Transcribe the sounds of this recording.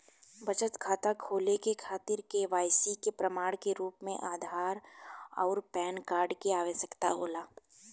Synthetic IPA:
bɐt͡ʃət̪kʰaːt̪akʰoːlekekʰaːt̪ɪɾkeʋaːjsikepɾɐmaːɽkeɾuːpmẽʔaːd̪ʱaːɾɔ̰ːɾpɛːnkaːɾɖkeaːʋəsəkt̪a̰ɦoːlaː

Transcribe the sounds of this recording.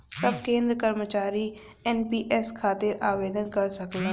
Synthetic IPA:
sɐb̚kẽːnd̪ɾəkɐɾmət͡ʃaːɾi | ɛnpiːʔɛskʰaːt̪ɪɾaːʋeːd̪ənkɐɾsɐkla

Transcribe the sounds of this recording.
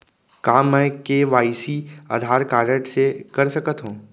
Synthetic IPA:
kaːmːɛ̃ːkeʋaːisia̰ːd̪ʱaːɾkaːɾəʈsekɐɾsɐkət̪ɦũː

